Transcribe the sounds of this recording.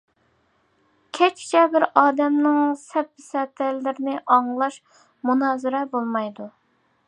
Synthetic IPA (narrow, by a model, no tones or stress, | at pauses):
kʲʰɛt͡ʃʰt͡ʃʰɛbɪɾɑːd̪ɛmnɪŋsɛp̚bɪsɛt̪ʰɛlːɪɾɪnɪʔɑŋlˠɑʃ | munɑːzɨɾɛbolˠmɑjd̪u